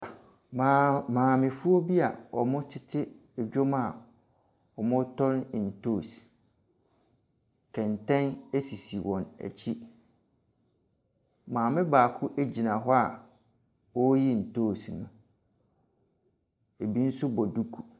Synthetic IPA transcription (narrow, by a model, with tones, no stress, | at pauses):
ma˨mãː˨mɪ̃˨fu˦o˦bi˦a˨ɔ̰˨mʊ̃˦tʰɪ˦tʰɪ˦ | ɛ˨d͡ʑᶣo˦ma˨ | ɔ˨mʊ̃˦tʰɔ˦n˨n̩˨tʰoː˦˨s | kʰɛ̃˨n˨tʰɛ̃˦ne˦si˨si˨wɔ̃˨næ̰˨t͡ɕʰi˦ | mãː˨mɪ̃˦baː˨kʰʊ˦ʔæ˦d͡ʑi˨nã˨ɦɔ˦a˨ | wɔ˦ji˦n̩˨tʰoː˦˨si˨nʊ̃˨ | e˨bi˦n̩˦sʊ˦bɔ˨du˦kʰu˨